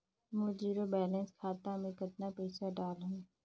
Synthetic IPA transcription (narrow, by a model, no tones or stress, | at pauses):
mod͡ʒiːɾobɛːlɛ̃nskʰaːt̪ãmẽkɐt̪napɛːsaɖaːlɦũː